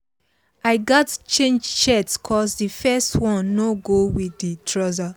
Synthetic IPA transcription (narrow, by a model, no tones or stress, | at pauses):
aɪɡɔtt͡ʃẽnd͡ʒt͡ʃɛtskʰɔsdifɛstwɔ̃nːoɡowiditʰɹɔza